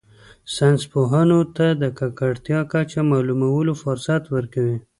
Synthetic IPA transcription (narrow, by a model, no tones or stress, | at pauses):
sanspoɦanot̪ad̪əkakaɽt̪jɑkat͡ʃamɑlumawəlofʊɾsat̪wəɾkawi